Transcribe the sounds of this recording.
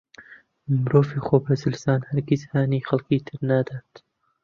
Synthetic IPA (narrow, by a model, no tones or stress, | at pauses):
mɾoːviːxoːbɐzɨlsaːnhɐɾɡizhaːniːxɐlkiːt̪ʰɨɾnad̪aːt̪